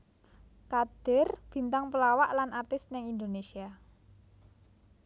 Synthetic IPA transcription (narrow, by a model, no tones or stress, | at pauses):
kad̪̥ɪ̤rb̥i̤nt̪aŋpəlawaʔlanart̪ɪsnɪŋind̪onesia